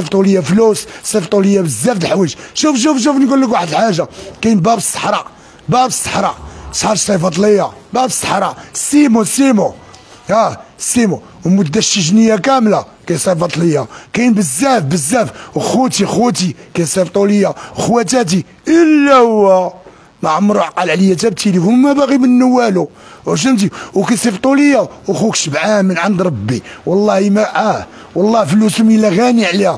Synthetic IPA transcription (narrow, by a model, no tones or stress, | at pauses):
eft̪ˤuləjːaflussˤeft̪ˤuləjːabəzːæft̪əħwəʒʃufʃ̬ufʃ̬ufnɡulːək̬waħəd̪lħaʒːakæjnbæbsˤːə̥ħɾˤɑʔ | bæʕbəsˤːə̥ħɾˤɑsˤħɑɾʃsˤɑjfɑt̪ˤləjːabæʕbəsˤːə̥ħɾˤɑsimusimo | hæsimu | wmʊd̪ːæʃəʒnəjːakæmla | kæjsˤɑfɑt̪ˤləjːakæjnbəzːæfbəzːæfwxut̪ixut̪̬ikæjsˤift̪ˤuləjːawəxwæt̪̬æt̪̬i | ʔəlːæhwæ | maʕamːɾuʕqɑlʕləjːæt̪æb̚t̪ilifummæbæɣimənːəwːælu | ʃ̬əmt̪̬iwkæjsˤift̪ˤuləjːawxukʃəbʕamənʕand̪ɾˤɑbːiwɑlˤːɑhimæʕæ | wɑlˤːɑfəlusumilæɣæniʕlihæ